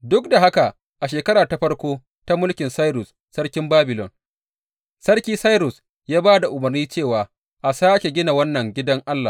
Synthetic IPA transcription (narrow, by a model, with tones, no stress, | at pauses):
dʊ˦kda˨ɦa˦ka˨ʔ | ʔa˨ʃeː˨kɐ˦ɾaː˨ta˦ɸɐ˦ɽkʷoː˦ | ta˦mʊ˦lkʲɪ˨nsa˦jɾʊ˨sːɐ˦ɽkʲɪ˦mbaː˦bɪ˨lɔ˨n | sɐ˦rkʲiː˦sa˦jɾʊ˨s | jaː˦baː˦da˨ʔʊ˨mɐ˨rniː˦t͡ʃeː˦˨waː˨ | ʔa˨saː˦kʲe˨ɡʲɪ˦na˨wɐ˦nːɐ˨ŋɡʲɪ˦dɐ˦ŋʔa˦lːa̰˨